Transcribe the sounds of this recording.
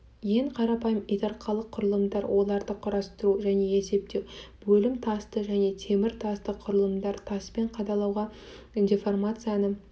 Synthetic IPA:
je̞ɴqʰɑɾɑpɑjəmit̪ɑɾqʰɑlˠəqʰːʊɾəlˠəmd̪ɑɾwʔo̞lˠɑɾd̪əqʰʊɾɑst̪əɾuʒæne̞ese̞p̚t̪e̞wbɵlɪmt̪ʰɑst̪əʒæne̞t̪ʰe̞mɪɾt̪ʰɑst̪əqʰʊɾəlˠəmd̪ɑɾt̪ʰɑspe̞ɴqʰɑd̪ɑlˠɑwʁɑ | nd̪ʲefo̞rmat̪sɨjanə

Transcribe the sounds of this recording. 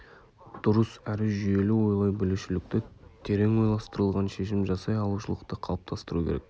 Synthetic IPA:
d̪̥ʊɾəsæɾɪʒʏje̞lɪwo̞jlˠɑjbʏluʃɪlɪk̚t̪ɪt̪ʰe̞ɾe̞ŋwo̞jlˠɑst̪əɾəlˠʁɑnʃe̞ʃɪmʒɑsɑjɑlˠuʃəlˠəqt̪əqʰɑlˠəp̚t̪ʰɑst̪əɾukʲʰḛɾḛk̚

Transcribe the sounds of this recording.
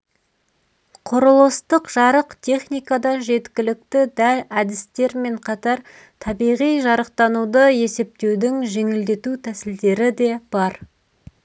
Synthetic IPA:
qʰoɾəlˠəst̪əqʒ̥ɑɾəqt̪ʲʰe̞χnijkɑd̪ɑʒe̞t̪kʲɪlɪk̚t̪ɪd̪ælæd̪ɪst̪e̞ɾme̞ɴqʰɑt̪ɑɾ | t̪ʰɑbijʁijʒɑɾəq̚t̪ɑnud̪əje̞se̞p̚t̪e̞wd̪ɪŋʒe̞ŋɪld̪e̞t̪ut̪ʰæsɪld̪e̞ɾɪd̪e̞b̥ɑɾ

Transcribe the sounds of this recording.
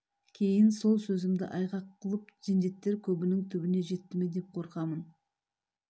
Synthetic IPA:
kʲʰe̞jɪnso̞lˠsɵzɪŋd̪ɪ̰ʔɑjʁɑqʰːəlˠəp̚zend̪e̞t̪ːe̞ɾkʲʰɵbɪnɪŋt̪ʰʏbɪne̞ʒe̞t̪ːɪme̞d̪e̞p̚qʰo̞ɾqɑmən

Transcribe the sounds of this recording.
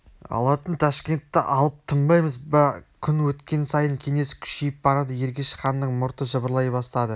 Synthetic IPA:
ɑ̰lˠɑt̪ənt̪ʰɑʃkʲe̞nt̪ːɪʔɑlˠəp̚t̪ʰəmbɑjməzbɑkʲʰʏnwɵt̪kʲe̞nsɑjəŋkʲʰe̞ŋe̞skʲʰʏ̥ʃejɪp̚bɑɾɑd̪əje̞ɾɡʲe̞ʃə̥qɑnːəɴmʊɾt̪əʒəbəɾlˠɑjbɑst̪ɑd̪ə

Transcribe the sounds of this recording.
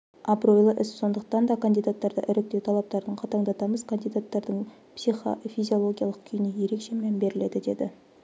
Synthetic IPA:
ɑbro̞jlˠəʔɪsso̞nd̪əqt̪ɑnd̪ɑkʰand̪ijd̪at̪ːɑɾd̪ɑ̰ʔɪɾɪk̚t̪e̞wt̪ʰɑlˠɑp̚t̪ɑɾd̪əɴqʰɑt̪ɑɴd̪ɑt̪ɑməz̥kʰand̪ijd̪at̪ːɑɾd̪əɴ | psijχo̰fizʲio̞lˠo̞ɡʲijɑlˠəqkʲʰʏjɪneje̞ɾe̞kʃe̞menbe̞ɾɪle̞d̪ɪd̪e̞d̪ɪ̰

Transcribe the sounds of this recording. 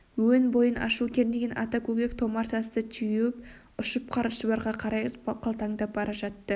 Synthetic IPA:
wɵnbo̞jənʔɑ̰ʃukʲeɾneɡʲenʔɑ̰t̪ɑkʲʰɵɡʲekt̪ʰo̞mɑɾt̪ʰɑst̪ət̪ʰʏjup̚ | ʊʃəp̚qʰɑɾəʃəb̪ˠɑɾʁɑqʰɑɾɑjqʰɑlˠt̪ɑŋd̪ɑbɑɾɑʒɑt̪ːə

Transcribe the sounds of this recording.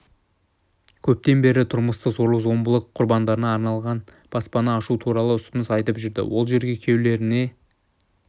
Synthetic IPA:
kʲʰɵp̚t̪e̞nbe̞ɾɪt̪ʰʊɾməst̪əzo̞ɾlˠəqzo̞mbəlˠəqʰːʊɾbɑnd̪ɑɾənɑːɾnɑlˠʁɑn | b̥ɑspɑnɑːʃut̪ʰuɾɑlˠəʏst̪ənɪsɑjt̪əpʒʏɾd̪ɪ̰wo̞lˠʒe̞ɾɡʲe̞kʲʰe̞wle̞ɾɪne̞

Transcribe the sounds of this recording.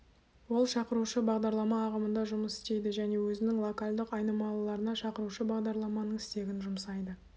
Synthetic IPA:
wo̞lˠʃɑqəɾuʃəbɑʁd̪ɑɾlˠɑmɑːʁəmənd̪ɑʒʊməsɪ̥st̪e̞jd̪ɪʒæne̞wɵzɪnɪŋlˠo̞kalʲd̪ɪqɑjnɑmɑlˠlˠɑɾənɑʃɑqəɾuʃəbɑʁd̪ɑɾlˠɑmɑnəɴɪst̪e̞ɡʲɪnʒʊmsɑjd̪ə

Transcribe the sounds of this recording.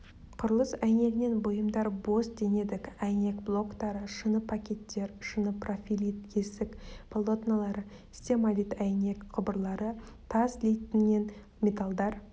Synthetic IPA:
qʰʊɾəlˠəsæjne̞ɡɪne̞nbojəmd̪ɑɾbo̞sd̪e̞ne̞d̪ɪkʲæjne̞kblˠo̞kt̪ɑɾəʃənəpʰakʲe̞t̪ːe̞ɾʃənəpro̞fʲilʲit̪kʲʰesɪkpʰolˠo̞t̪nolˠɑɾə | sʲt̪ʲemalʲit̪æjne̞kqʰəbəɾlˠɑɾət̪ʰɑzlejt̪ɪnɡʲe̞n | mʲe̞t̪alˠd̪ɑɾ

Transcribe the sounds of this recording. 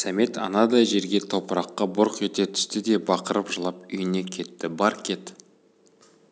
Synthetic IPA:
sæme̞t̪ɑ̰nɑd̪ɑjʒe̞ɾɡʲe̞t̪ʰo̞pəɾɑqːɑbʊɾqet̪e̞t̪ʰʏ̥st̪ɪd̪e̞bɑqəɾəpʒəlˠɑp̚ʏjɪne̞kʲʰe̞t̪ːɪbɑɾkʲʰe̞t̪

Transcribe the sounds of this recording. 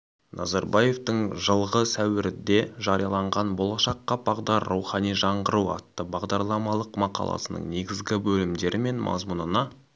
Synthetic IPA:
nʔɑzɑɾbɑje̞ft̪əɴʒəlˠʁəsæwɪɾɪd̪e̞ʒɑɾijɑlˠɑɴʁɑnbo̞lˠɑʃɑqːɑbɑʁd̪ɑɾːuwχɑnijʒɑɴʁəɾuɑ̰t̪ːəbɑʁd̪ɑɾlˠɑmɑlˠəqmɑqɑ̰lˠɑ̰sənə̰ɴne̞ɡʲɪzɡʲɪbɵlɪmd̪e̞ɾʔɪme̞nmʔɑ̰zmunənɑ

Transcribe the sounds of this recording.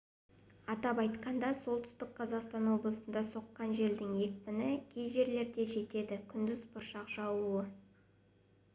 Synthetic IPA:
ɑt̪ɑpɑjt̪qɑnd̪ɑso̞lˠt̪ʰʏ̥st̪ɪk̚qʰɑzɑqst̪ɑnwo̞blˠəsənd̪ɑso̞qːɑnʒe̞ld̪ɪŋje̞kʲpɪnɪkʲʰejʒe̞ɾle̞ɾd̪e̞ʒe̞t̪e̞d̪ɪkʲʰʏnd̪ɪzbʊɾʃɑqʒɑwuə

